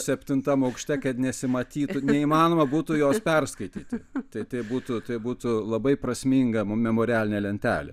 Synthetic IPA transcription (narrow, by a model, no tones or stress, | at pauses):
sʲɛpʲt̪ʲɪnt̪ɐmɐʊkʃʲt̪ʲɛkɐt̪nʲɛsʲɪmɐt̪ʲiːtnʊnʲɛimɑːnoːmɐbuːt̪ʊjoːspʲɛrskɐɪt̪ʲiːt̪ʲɪt̪ɐɪt̪ɐɪbuːt̪ʊt̪ɐɪbuːt̪ʊlˠɐbɐɪprɐsʲmʲiŋɡɐmmʲɛmoːɾʲɪæːlʲɪnʲelʲɛnʲt̪ʲæ̰ːlʲɛ̰